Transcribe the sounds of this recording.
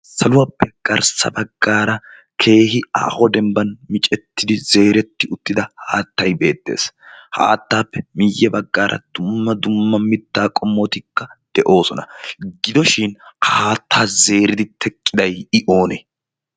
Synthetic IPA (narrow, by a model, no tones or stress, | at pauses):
sɐlʊwaːpːɛɡ̥ɐɾsɐ̰bɐɡːaːɾɐ | kʰe̞ːhɪa̰ːhɔd̪ɛmbɐnmɪt͡ʃʼɛt̪ːɪd̪ɪze̞ːɾɛt̪ːɪʊt̪ːɪd̪ɐhaːt̪ːɐjbe̞ːt̪ːe̞̰ːsha̰ːt̪ːaːpːɛmɪjːɛbɐɡːaːɾʔɐ̰d̪̥ʊmːɐd̪ʊmːɐmɪt̪ːaːkʼɔmːɔt̪ɪkːɐd̪̥ɛʔo̞ːsɔnɐɡɪd̪ɔʃɪnhaːt̪ːaːze̞ːɾɪd̪ɪt̪ʰɛkʼːɪd̪ɐjɪʔo̞ːnɛ